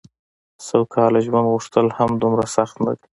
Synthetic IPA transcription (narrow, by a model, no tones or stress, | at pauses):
sawkʰɑlaʒwand̪ɣuʂt̪əlhamd̪umɾasaxt̪na̰d̪i